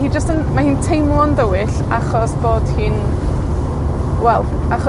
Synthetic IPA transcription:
hiːd͡ʒəstənmahiːntʰejmlˠɔndəwɪɬ | a̰χɔsb̥oːd̥hɨːn | wɛlˠ | aχɔ

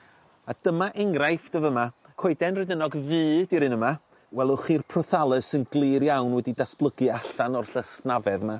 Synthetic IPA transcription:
ad̥əmaʔɛŋrajfd̥əvəma | kʰoɨdɛnrɨdənɔɡvɨːdiɾɨnəma | wɛlˠʊχiːrpʰrɔθalˠəsənɡlˠɨːɾjawnwɛdidasb̥lˠəɡɨaɬanɔrɬəsnavɛðma

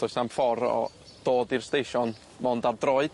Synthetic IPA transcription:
ɔsnamfɔɾɔ̰ | d̥oːdɪrstejʃɔn | mɔndadrɔɨd̥

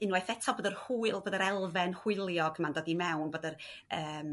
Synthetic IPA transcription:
ɪnwɛjθɛtʰɔboːdərhuːɨlˠboːdəɾɛlˠvɛnhw̥ɪlˠjɔɡmandɔdimɛwnbodər | əːm

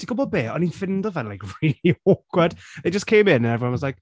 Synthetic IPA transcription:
iɡʊbəbɛːə̃nifɪ̃ndəvðə̃nlajkɹiːliɔˑkʰwəd̥ðe̥d͡ʒ̥ʌskʰẽɪ̃mɪ̃nə̃nɛvɹiwʌ̃nwɒzlaɪk̚

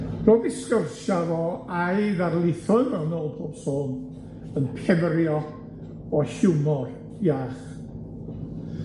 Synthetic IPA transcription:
roːvɪskərʃavɔaɨjðarlˠɪθʊvɛwnoːlˠpʰoːb̥soːn | ənpʰɛvrjɔ | ɔɬuwmɔr | jaχ

